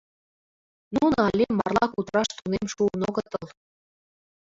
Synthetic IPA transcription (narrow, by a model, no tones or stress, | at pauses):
nunɑlʲemːɑ̰rlɑkut̪ɾɑʃt̪unemʃuənoɣət̪əl